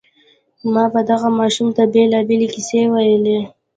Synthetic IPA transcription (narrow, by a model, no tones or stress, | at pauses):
mɑbad̪aɣamɑʃumt̪abelɑbelekɪsewajəle